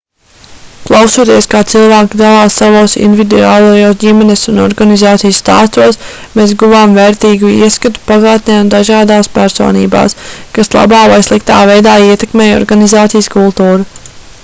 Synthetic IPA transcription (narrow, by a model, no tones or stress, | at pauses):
klˠawsuɔt̪iɛskaːt̪silˠvæːkid̪alaːsːavoːsḭnd̪ʲvʲid̪ṵaːlˠojoːsɟimɛnesunɔ̰ɾɡanizaːt̪sijsːt̪a̰ːst̪uɔs | meːsɡuvaːmveɾt̪iːɡuḭɛskat̪u̥paɡaːt̪̚nʲɛnd̪aʒaːd̪aːspæɾso̰ːnḭːba̰ːskaslˠa̰baːvajslˠik̚t̪a̰ːvɛjd̪aːiɛt̪ɛkmeːjɔ̰ɾɡanizaːt̪sijskulˠt̪uːɾa